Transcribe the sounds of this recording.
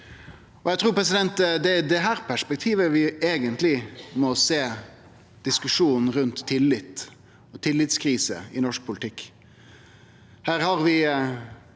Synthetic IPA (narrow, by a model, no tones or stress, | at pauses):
ɔjæt̪ʰɾuːɾpʰɾɛs̬ɪd̪ɛnt̪d̪ɛd̪ɛɦæːɾpʰæʂpɛk̚t̪ʰiːʋəʋɪeːɡənt̪lɪmɔseː | d̪̥ɪskʉʂuːnn̩ɾʉnt̪ʰːɪlːɪt̪ | ɔt̪ʰɪlːɪt̪skʰɾiːsə̰ɪnɔʂk̚pʰʊlɪt̪ʰɪkː | hæːɾhɑʁʋɪ